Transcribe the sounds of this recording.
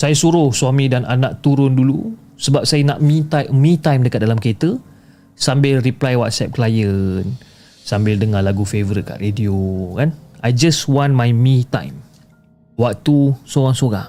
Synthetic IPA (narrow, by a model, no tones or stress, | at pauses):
sajasuɾʊhswamĩdananãʔt̪uɾʊndulu | səbap̚sajənaʔmĩt̪amĩt̪ajmdəkat̪̚dalamket̪ə | sambɪlriplajwat̪̚sɛp̚klajən | sambɪldəŋãhlaɡufevəɾit̪̚ka̰ʔrediokanajd͡ʒəswanmajmĩt̪ã̰jm | wak̚t̪usoɾaŋsoɾa̰h